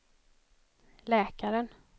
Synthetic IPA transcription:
lɛːkaɾən

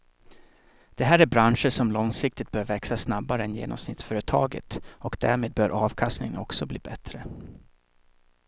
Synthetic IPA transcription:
d̪̥ɛɦæːɾæɾbɾanʂəʂɔmlɔŋsɪk̚t̪ɪt̪̚b̥œːɾvɛksasnabːaɾəɛnjḛːnɔ̰msnɪt̪sfœːɾət̪ʰɑːɡə̰t̪ɔkd̪æɾmeːd̪̚bœːɾʔɑːvkʰast̪nɪŋənɔ̰ksɔbliːbɛt̪ɾə

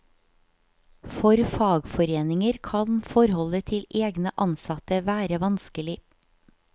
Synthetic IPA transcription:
fɔɾfɑːɡfɔɾeːnɪŋəɾkʰɑnfɔɾhɔlət̪ʰɪleːɡnəʔɑnsɑt̪əʋæːɾəʋɑnskəlɪ

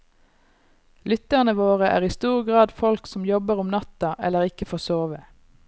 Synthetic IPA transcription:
lʏt̪əʁnəʋoːʁəʔæ̰ːʁiːst̪uːʁɡʁɑːd̪fɔlksɔmjɔbəʁʊmnɑt̪ɑʔɛlːəʁɪkəfoːsoːʋə

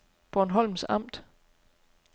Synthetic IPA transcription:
b̥ɒnɦɒ̽l̰msɑ̈m̰d̥

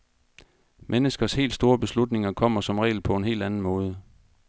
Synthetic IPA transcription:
mʔenəsɡ̥ɐshe̝̰ːld̥sd̥o̝ːɐb̥e̝slud̥ne̝ŋɐkʰɒ̽m̰ɐsɒ̽mʁɛ̰ːl̩pʰɒ̽e̝nɦe̝̰ːld̥ænn̩mɔ̽ːð̞ˠə

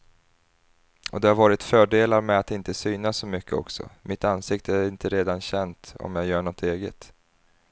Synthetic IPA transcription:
ɔd̪ɛhaɾvɑːɾɪt̪fœːɖeːlaɾmɛat̪ɪnt̪əsyːnasːɔmʏkʰːəɔ̰ksɔ̰mɪt̪ansɪkt̪əæɾɪnt̪əɾeːd̪anɕɛnt̪ɔ̰mjɑːjœːɳɔt̪ʰeːɡə̰t̪

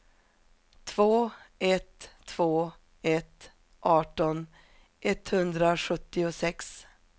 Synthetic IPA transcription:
t̪ʰv̥oːɛt̪ʰːv̥oː | ɛt̪ | ʔɑːʈɔn | ʔɛt̪hɵnd̪ɾaɧɵt̪ːɪʊsɛks

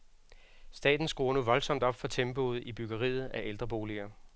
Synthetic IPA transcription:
sd̥ɛ̰ːd̥n̩sɡ̥o̝ːɐnuʋɒ̽lsɒ̽m̰d̥ɒ̽b̥fɒ̽t͡sʰemb̥o̝ð̞̩ˠib̥yɡ̥ɐʁḭːð̞̩ˠæʔeld̥ʁɐb̥o̝ːliɐ

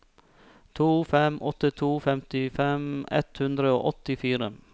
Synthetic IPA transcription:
t̪ʰuːfɛmʔɔt̪ɪt̪ʰuːfɛmt̪ɪfɛmɛ̰t̪hʉnd̪ɾəo̰ːʔɔt̪ɪfiːɾə

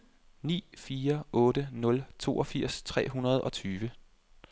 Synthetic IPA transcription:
nḭːfiːɐɔ̽ːɾənɔ̽lt͡sʰo̝̰ːʔɒfiɐ̰st͡sʰʁɛ̰ːɦunɐð̞ˠɒ̽t͡sʰyːʋə

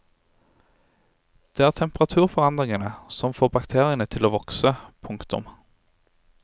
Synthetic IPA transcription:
d̪̥eːæːʁt̪ʰɛmpʁɑt̪ʰʉːʁfɔʁɑnd̪ʁɪŋənəsɔmfoːbɑkt̪ʰeːʁɪənət̪ʰɪloːʋɔksəpʰʊŋkt̪ʊ̰m

